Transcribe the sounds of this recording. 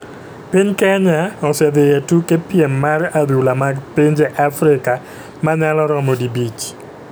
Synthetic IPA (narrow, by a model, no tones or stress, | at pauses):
piɲkɛɲaɔsɛd̪ejetukepjemːarad̪ulamaɡpiɲd͡ʒeʔafɾɪka | maɲalɔɾɔmodibit͡ʃ